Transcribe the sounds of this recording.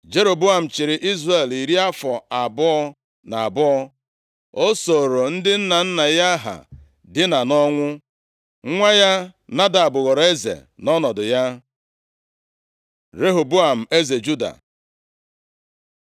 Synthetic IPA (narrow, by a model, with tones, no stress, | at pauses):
d͡ʒe˦ɾo˨bu˦a˨m̩˨t͡ʃɪ˨ɾɪ˨ʔi˦zre˨li˨ɾi˦a˦fɔ˨a˨bʊ˦ɔ˦ | na˨a˨bɔ˦ɔ˦ | o˦so˨ɾo˨n̩˦dɪ˦n̩˦na˨n̩˦na˨ja˦a˦ɦa̰˨ | dɪ˦na˨nɔ˦ŋʷʊ˦ | ŋʷa˦ja˦na˦da˨a˨bʊ˨ɣɔ˨ɾe˦zḛ˨nɔ˦nɔ˨dʊ˨ja˦ | ɾe˦ɦo˨bu˦a˨m̩˨e˦ze˨d͡ʒu˦da̰˨